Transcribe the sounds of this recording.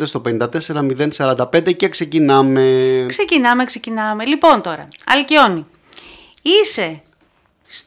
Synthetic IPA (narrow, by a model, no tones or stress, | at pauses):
d̪est̪o̞pe̞nind̪ɐt̪e̞se̞ɾɐmiðe̞nsɐɾɐnd̪ɐpend̪ece̞kse̞cinɐmekse̞cinɐmekse̞cinɐme̞lipo̞nt̪o̞ɾɐɐ̰lcio̞ni | ise̞ | s